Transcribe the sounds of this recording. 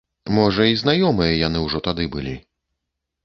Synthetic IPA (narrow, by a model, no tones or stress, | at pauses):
mɔʐɐiznajɔmɨjɐjanɨwʐɔt̪ad̪ɨbɨlʲḭ